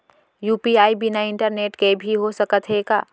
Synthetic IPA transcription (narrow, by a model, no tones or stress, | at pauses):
juːpiaːibinaɪ̃ɳʈəɾneːʈkebʱiɦosəkət̪ɦeːɡa̰ː